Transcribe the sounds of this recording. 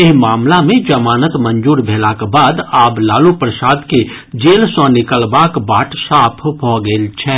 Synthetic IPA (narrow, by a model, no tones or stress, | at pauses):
ɪɦmaːmlamẽd͡ʒɐmaːnət̪mə̃nd͡ʒuːɾbʱeːlakbaːd̪aːblaːlupɾəsaːd̪ke | d͡ʒeːlsɔ̃nɪkəlbaːkbaːʈʰsaːpʰɦoɡəlt͡ʃʰɛː